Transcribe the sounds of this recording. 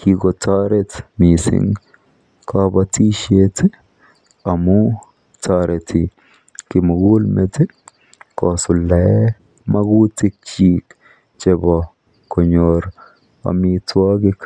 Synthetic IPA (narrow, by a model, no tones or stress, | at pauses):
kiɡɔt̪ʰaːɾɛt̪miːsɪ̰ŋ | kʰaːbɐt̪iʃet̪ | ɐmu | t̪ʰaːɾɛt̪ʰi | kɪmɐɡuːlmɛt̪ɪ | kaːsʊlːɐe | mɐɡuːt̪ɪt͡ʃiːk | t͡ʃʼɛbɐ | kɔɲoɾ | ɐ̰miːt̪waːɡɪk